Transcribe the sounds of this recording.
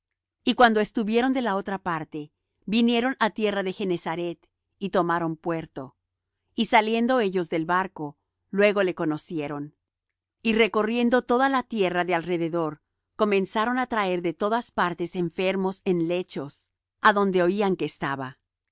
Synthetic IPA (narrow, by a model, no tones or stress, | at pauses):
ikwand̪o̞e̞st̪uβje̞ɾo̞nd̪e̞lao̞t̪ɾapaɾt̪e̞ | binje̞ɾo̞nat̪je̞raðe̞xe̞ne̞saɾe̞t̪ | it̪o̞maɾo̞mpwe̞ɾt̪o̞ | isalje̞nd̪o̞e̞ʝo̞zðe̞lβaɾko̞ | lwe̞ɣo̞le̞ko̞no̞sje̞ɾo̞n | ire̞ko̞rje̞nd̪o̞t̪o̞ðalat̪je̞raðe̞alre̞ðe̞ðo̞ɾ | ko̞mẽ̞nsaɾo̞nat̪ɾae̞ɾðe̞t̪o̞ðaspaɾt̪e̞se̞ɱfe̞ɾmo̞se̞nle̞t͡ʃo̞s | aðo̞nd̪e̞o̞iaŋkeːst̪aβa